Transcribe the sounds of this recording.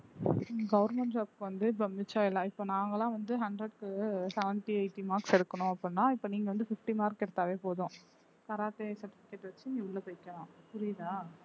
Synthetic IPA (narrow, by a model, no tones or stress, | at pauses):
ɡɐʋʊɾmɛɳʈɐpkɯʋɐnd̪ɯbɐmːɪt͡ʃːãɪlːãːɪpːoːnaːŋɡɐlãːʋɐnd̪ɯɦɐɳɖɾɐɽkɯsɛʋɛnʈiɐɪʈːimaːɾksɛɽɯkːɐɳʊ̃ɐpːɯɽnːãːɪpːoːniːŋɡɐʋɐnd̪ɯfɪfʈimaːɾkːɛɽɯt̪ːaːʋeːpoːðʊ̃ | kɐɾaːt̪esɐɾʈːɪfɪkːeʈːʋɐt͡ʃːɯnĩːʊɭːɐpojɪkːɐɭãːpʊɾɪðãː